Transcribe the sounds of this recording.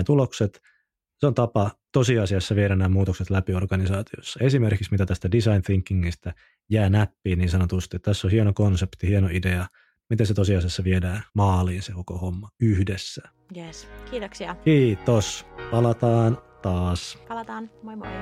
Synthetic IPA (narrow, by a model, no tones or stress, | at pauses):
æt̪ulokset̪ | seont̪ɑpɑt̪osiɑsiɑsːɑʋieɾænːæːmuːt̪okset̪læpiorɡ̥ɑnisɑːt̪iosːɑesimerkiksmit̪æt̪æst̪ædisɑinθiŋkːiŋːist̪æ | jæːnæpːiːnniːnsɑnot̪ust̪iet̪t̪æsːohienokonsept̪ihienoideɑ | mit̪eset̪osiɑsiɑsːɑʋiedæːmɑːliːnsekokohomːɑyhdesːæ̥ | jeskiːt̪oksiɑkiːt̪ospɑlɑt̪ɑːnt̪ɑːspɑlɑt̪ɑːno